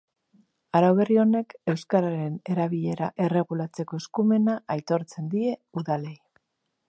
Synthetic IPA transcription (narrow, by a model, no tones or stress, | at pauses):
aɾawβe̞rio̞ne̞ke̞wskaɾaɾe̞ne̞ɾaβiʎe̞ɾaʔe̞re̞ɣ̞ulat͡se̞ko̞eskume̞naʔajt̪o̞ɾt͡se̞nd̪ie̞uðale̞j